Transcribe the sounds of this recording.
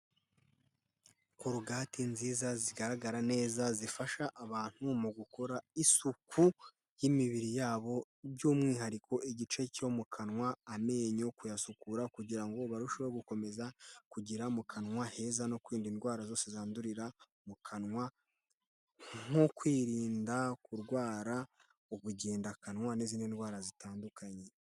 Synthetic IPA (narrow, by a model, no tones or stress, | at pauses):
kuɾuɡaːtinziːzaziɡaɾaɡaɾane̞ːzazifaʃaʔːβaːn̥humuɡukʰo̞ɾaisuku | jimiβiɾijaːβo̞ | bɟuːmŋiːɦaɾikʰo̞ʔiɟit͡ʃe̞co̞mukʰanŋwaːme̞ːɲo̞kujasukuɾakuɟiɾaŋɡo̞βaɾuʃoβeɡuko̞me̞zakuɟiɾamukʰanŋwahe̞ːzano̞kwiːndinwaːɾazo̞ːsezaːnduɾiɾa | mukʰanŋwa | ŋ̥o̞kwiːɾiːndakuɾɡwaːɾa | oβuɟeːndakanŋwanizinendɡwaːɾazitaːndukʰaɲe̞